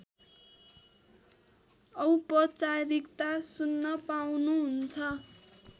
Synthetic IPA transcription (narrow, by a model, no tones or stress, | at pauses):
ʌwpʌt͡saɾikt̪asunːʌpawnuɦunt͡sʰʌ